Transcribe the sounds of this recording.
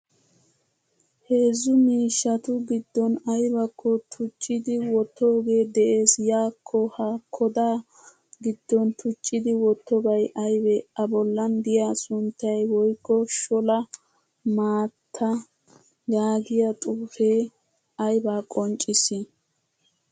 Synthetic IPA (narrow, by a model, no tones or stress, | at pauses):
he̞ːzːʊmiːʃːɐt̪ʊɡɪd̪ːɔnɐjbɐkːɔt̪ʰʊt͡ʃʼːɪd̪ɪwɔt̪ːoːɡe̞ːd̪ɛʔe̞ːsjaːkʰːɔhɐkʰɔd̪aː | ɡɪd̪̥ːɔnt̪ʰʊt͡ʃʼːɪd̪ɪwɔt̪ːɔbɐjʔɐjbɛɐbɔlːɐnd̪ɪjasʊnt̪ːɐjwɔjkːɔʃɔlɐ | maːt̪ʰːɐ | ɡaːɡɪjɐt̪ʼuːfe̞ː | ɐjbaːkʼɔnt͡ʃʼːɪsɪ